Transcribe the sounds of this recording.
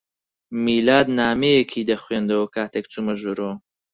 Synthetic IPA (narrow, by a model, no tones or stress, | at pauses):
miːlaːd̪naːmejekʰiːd̪ɐχwɥeːnd̪ɐwɐkʰaːt̪ʰek̚t͡sumɐʒuɾoː